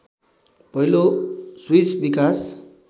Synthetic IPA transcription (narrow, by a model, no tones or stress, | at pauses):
pʌɦiloswisbikas